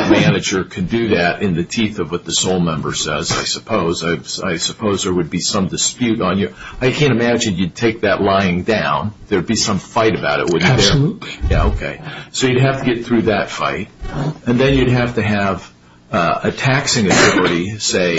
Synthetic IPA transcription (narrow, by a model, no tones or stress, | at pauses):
mænɨd͡ʒə˞kʰɨ̃ndɨðɨɾʔɨ̃nðɨtʰiθʌvwʌt̪̚ðɨsoʊlˠmɛ̃mbə̰˞sɛza̰ɪsəpʰoʊzaɪa̰ɪsəpʰoʊzðə˞wɨd̚bisʌ̃mdɨspjʉɾn̩jəaɪkʰæ̃ñtɨmæd͡ʒɨ̃njɨd̚tʰeɪk̚ðɨʔˡlaɪɪ̃ŋdãʊ̃nðə˞d̚bisʌ̃ɱfaɪɾɨbaʊɾɨ̰ʔ̚wʊdðə˞lutijæ̰oʊkʰḛɪsoʊjɨd̚ɦæftʰɨɡɛt̪̚θɹʉðɨtfa̰ɪt̚ɨ̃nðɨ̃njɨd̚ɦæftɨɨv | ɨtʰæksɪ̃ŋɨtɔɹɨɾiseɪ